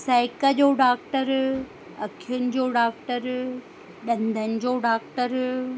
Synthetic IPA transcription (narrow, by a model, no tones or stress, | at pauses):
saːɪkəd͡ʑoːɖaːkʈəɾ | ɐkʰiʊnɪ̆d͡ʑoːɖaːk̚ʈəɾ | ɗɐ̃nd̪ʱənɪ̆d͡ʑoːɖaːk̚ʈəɾ